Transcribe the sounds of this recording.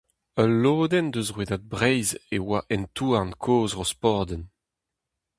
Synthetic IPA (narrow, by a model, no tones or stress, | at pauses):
əlːoːd̪ɛnd̪øzʁweːdad̪̚bʁɛjzewaʔɛntʰuːaʁnkʰoːzʁospɔʁd̪ɛn